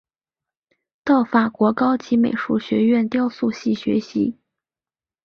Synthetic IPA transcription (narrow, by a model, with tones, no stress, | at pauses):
t̪ɑ˥˩ʊfa˨˩kwɔ˧˥kɑ˥ʊt͡ɕi˧˥me˨˩ɪʂu˥˩ɕɥɛ˧˥ɥɛ˥˩nt̪jɑ˥ʊsu˥˧ɕi˥˩ɕɥɛ̰˧˥ɕḭ˧˥